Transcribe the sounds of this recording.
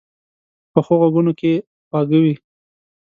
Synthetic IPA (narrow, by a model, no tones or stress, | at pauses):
pəxoɣaɡunoke | pɑɡawi